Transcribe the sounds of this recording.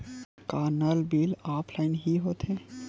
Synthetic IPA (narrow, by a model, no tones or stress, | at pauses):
kaːɾnəlbiːlaːpʰlaːɪnɦiɦoːt̪ẽ